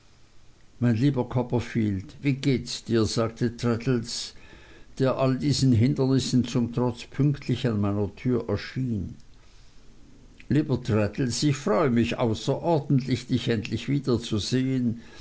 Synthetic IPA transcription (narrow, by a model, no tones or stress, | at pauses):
maɪnliːbɐkʰɔpɐfiːltviːɡeːtsd̥iːɐzaːk̚tʰətʁɛtl̩s | d̥eːɐʔaldiːzn̩ɦɪndɐnɪsn̩t͡sʊmtʁ̥ɔt͡spʰʏŋktʰlɪçanmaɪnɐtʰyːɐʔɛɐʃiːn | liːbɐtʁɛtl̩sɪçfʁɔʏəmɪçʔa̰ʊsɐʔɔɐdn̩tlɪçd̥ɪçɛntlɪçv̥iːd̥ɐt͡suzeːən